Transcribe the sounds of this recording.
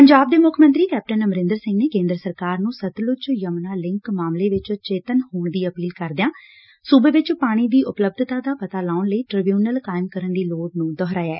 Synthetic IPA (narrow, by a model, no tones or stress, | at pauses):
pəɲd͡ʒaːb̚d̪eːmʊkʰmə̃nt̪ɾiːkɛːp̚ʈənəməɾɪ̃nd̪əɾsɪ̃ŋɡneːkẽːnd̪əɾəsəɾkaːɾnũːsət̪lʊt͡ʃjəmnaːlɪ̃ŋkmaːmleːʋɪt͡ʃt͡ʃeːt̪ənhoːɳd̪iːəpiːlkəɾd̪ejãː | suːbeːʋɪt͡ʃpaːɽ̃iːd̪iːʔʊpləb̚d̪t̪aːd̪aːpət̪aːlaːʊɳləiːʈɾɪbjuːnəlkaːɪmkəɾənd̪iːloːʈnũːd̪ɔːɦɾaːjaɛː